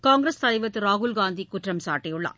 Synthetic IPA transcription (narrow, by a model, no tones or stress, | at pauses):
kaːŋɡɾɐst̪ɐlɐɪʋɐt̪ːɯɾaːɣʊlɡaːnd̪ikʊʈrɐmsa̰ːʈːɪjʊɭːa̰ː